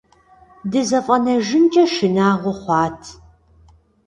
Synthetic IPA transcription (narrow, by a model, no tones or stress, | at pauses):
dɨzɐfʼɐnɐʒɪnt͡ʃʼɐʃɪnaːʁʷʊχʷɑːtʰ